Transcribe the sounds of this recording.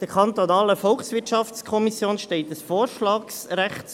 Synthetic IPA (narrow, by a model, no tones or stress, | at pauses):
d̥əɾkʰɑnt̪onɑːləfɔlχsʋɪtʃɑftskʰɔmisjoːnʃteɪtəsfoːɾʃlɑːksɾæχts